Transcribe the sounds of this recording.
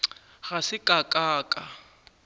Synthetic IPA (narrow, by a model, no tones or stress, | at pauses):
ɣasɪkʼakʼaːkʼa